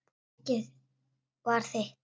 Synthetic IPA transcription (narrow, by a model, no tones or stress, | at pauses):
cɪð | vaɾ̥θeh